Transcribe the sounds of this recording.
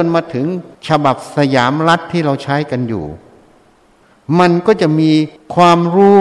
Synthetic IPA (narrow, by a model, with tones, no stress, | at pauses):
o˧nmaː˧t̪ʰɯ˩˦ŋt͡ɕʰa˧ba˨˩p̚sa˧jaː˩˦mɾa˦˥t̪ʰːiː˥˩ɾa˧wt͡ɕʰa˦˥jka˧njṵː˨˩ | ma˧nkɔː˥˩t͡ɕa˨˩ʔmiː˧kʰwaː˧mɾuː˦˥